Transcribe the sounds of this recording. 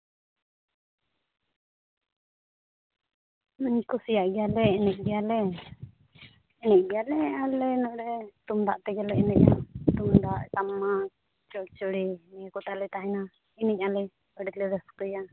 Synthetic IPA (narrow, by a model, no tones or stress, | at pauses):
məɲkɔsijaʔɡɛjalɛɛnɛʔ̚ˀɡɛjalɛ | ɛnɛc̚ɡɛjalɛalɛnɔʔɖɛt̪umd̪aʔt̪ɛɡɛlɛɛnɛc̚at̪umd̪aʔtamːa | t͡ʃɔɽt͡ʃɔɽimɛkɔt̪aʔlɛt̪aɦɛna | inɛɲalɛ | əɖiklɛɾɛskɔja